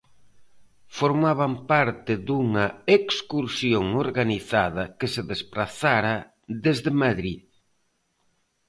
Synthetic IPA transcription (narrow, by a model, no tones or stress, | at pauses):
foɾmaβampaɾt̪ɪðuŋɐekskuɾsjoŋoɾɣaniθaðɐkɪseðespɾaθaɾɐ | ðezðemaðɾið